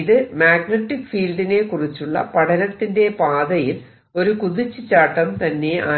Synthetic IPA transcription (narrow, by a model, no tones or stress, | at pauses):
iðɨmaːɡnɐʈːikfiːlɖine̞kurit͡ɕːuɭːɐ̰pɐɽɐnɐt̪ːinde̞paːðɐjil | o̞ɾukuðit͡ɕːɨt͡ɕaːʈːɐmt̪ɐnːe̞a̰ː